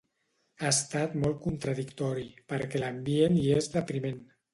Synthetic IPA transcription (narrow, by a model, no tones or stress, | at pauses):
aest̪at̪mɔlˠt̪̚kunt̪ɾaðikt̪ɔɾipəɾkɛlambijeniezðəpɾimen